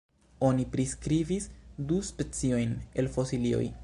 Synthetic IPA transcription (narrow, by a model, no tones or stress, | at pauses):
o̞nipɾiskɾivisduspe̞t͡sio̞jne̞lfo̞silio̰j